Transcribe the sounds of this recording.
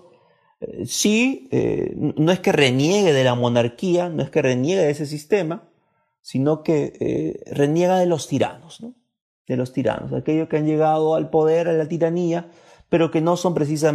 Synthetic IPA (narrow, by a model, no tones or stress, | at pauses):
siḛnonoe̞ske̞re̞nje̞ɣe̞ðe̞lamo̞naɾkianoe̞ske̞re̞njeɣeðes̬e̞s̬ist̪e̞ma | sino̞ke̞ḛre̞nje̞ɣ̞aðe̞lo̞st̪iɾa̰no̞sno | d̪e̞lo̞st̪iɾa̰no̞̰sa̰ke̞ʝoskeanʝe̞ɣaðo̞alpo̞ðe̞ɾalat̪iɾania | pe̞ɾo̞ke̞no̞so̞mpɾe̞s̬is̬a